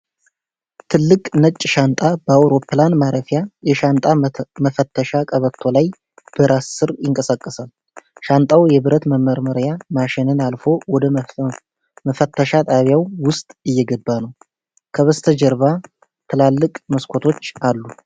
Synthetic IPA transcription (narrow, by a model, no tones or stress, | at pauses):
t̪ʰɨlːɨkʼnət͡ʃʼːʃant̪ʼabəawɾo̞planmaɾəfjajɛʃant̪ʼaməfət̪ʰːəʃakʼəβət̪ʰːo̞laj | b̥əɾasːɨɾjɪŋkʼəsakʼːəsal | ʃant̪ʼawjɛβɨɾət̪məmːəɾməɾjamaʃɪnɨnalfo̞wɔd̪ə | məfət̪ʰːəʃat̪ʼaβjawwʊst̪ʼɨjːɛɡəbːanəw | kʰəβəst̪ʰəd͡ʒəɾβa | t̪ʰɨlalːɨkʼməskʰo̞t̪ʰo̞t͡ʃːalːu